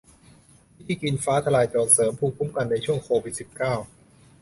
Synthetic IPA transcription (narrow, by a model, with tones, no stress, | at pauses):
i˦˥t̪ʰiː˥˩ki˧nfaː˦˥t̪ʰa˧laː˧jt̪ɔː˨˩nsɤː˩˦mpʰuː˧˩kpʰːu˦˥˩mka˧nːa˧jt͡ɕʰu˥˩əŋkʰoː˧wi˨˩t̪̚si˨˩p̚kaː˥˩w